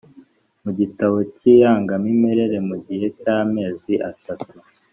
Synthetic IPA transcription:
muɟitaβo̞ciːjaːŋɡamime̞ɾe̞ɾe̞muɟihe̞caːme̞ːziʔatatu

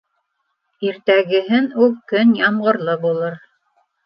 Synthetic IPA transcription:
iɾt̪æɡɘ̆ɦɘnulˠkɵnjɑmʁɤ̆ɾlˠɤbulˠɤɾ

